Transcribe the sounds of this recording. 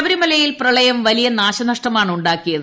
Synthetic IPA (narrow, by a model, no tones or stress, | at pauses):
ʋɐɾimɐlɐjilprɐɭɐjɐmʋɐlijɐnaːɕɐnɐʂʈɐmaːɳuɳɖaːkːijɐð